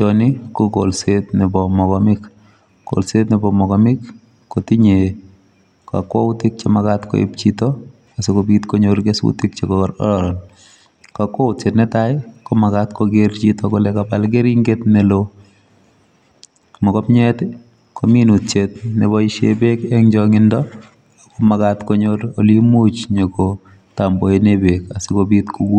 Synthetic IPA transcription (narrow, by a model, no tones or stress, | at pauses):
ɔnɪkoko̰lsetnebɔmɔkɔmɪk | ko̰lsetnɪbɔmɔkɔmɪkː | otiɲe | ka̰kwɔʊtɪk̚t͡ʃemakatko̰ḛp̚t͡ʃitɔ | asokobitkoɲoɾɡesṵtɪkt͡ʃekɔɔɾɔ̰ɾɔɾɔn | kakwɔut͡ʃetnɛtajkɔmakatkʰoɡeɾt͡ʃitɔkɔlɛkapalɡeɾiŋɡetnelo | mɔkɔpɲɛtɪ | kʰominutt͡ʃetnebɔɪʃebekɛŋd͡ʒɔŋɪndɔ | komakatkoɲoɾolimut͡ʃɲeko | tamboenebekasɪkobitkʰuɡu